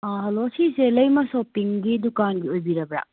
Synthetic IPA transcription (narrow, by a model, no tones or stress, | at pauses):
aɦɐlosiselɐjmɐsopiŋɡidukanɡiojbiɾɐbɾa̰